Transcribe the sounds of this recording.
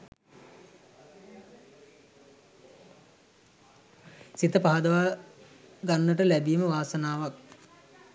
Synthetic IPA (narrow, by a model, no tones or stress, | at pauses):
sit̪əpaɦad̪əʋa | ɡanːəʈəlæbijməʋaːsənaːʋak̚